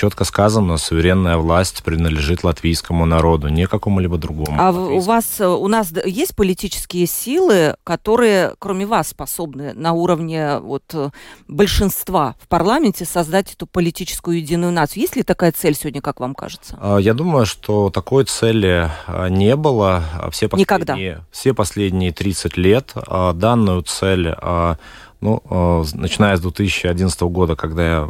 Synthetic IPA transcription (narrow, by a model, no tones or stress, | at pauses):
t͡ɕo̞t̪kəskazənəsʊvʲɪɾʲe̞nːəjəvlˠasʲtʲpɾʲɪnəd̪lʲɪʐɨt̪lˠɐt̪vʲijskəmʊnɐɾo̞d̪ʊnʲɪkɐko̞mʊlʲibəd̪ɾʊɡomʊ̰aʊvasʊnasjesʲt̚ʲpəlʲɪtʲit͡ɕɪ̥skʲɪjəsʲilˠɨkɐt̪o̞ɾɨjəkɾomʲɪvasːpɐso̞bnɨnɐuɾəvnʲɪvo̞t̪bəlʲʂɨnst̪vafpɐrlˠamʲɪnʲtʲɪsɐzd̪atʲɛt̪ʊpəlʲɪtʲit͡ɕɪ̥skʊjʊjɪdʲinːʊjʊnat̪sɨjʊjesʲtʲlʲɪt̪ɐkajət̪sɛlʲsʲɪvʲodʲnʲəkakvamka̰ʐɨt̪səəjad̪uməjʊʂt̪ot̪ɐko̞jt̪sɛlʲɪ̰nʲe̞bɨlˠə̰fsʲepɐnʲɪkɐɡd̪ajfsʲepɐsʲlʲedʲnʲɪjət̪ɾʲit̪sɨtʲlʲet̪əd̪anːʊjʊt̪sɛlʲə | nṵnət͡ɕɪnajəzd̪vʲet̪ɨsʲɪɕːɪɐdʲinəst̪əvəɡo̞d̪əkɐɡd̪aja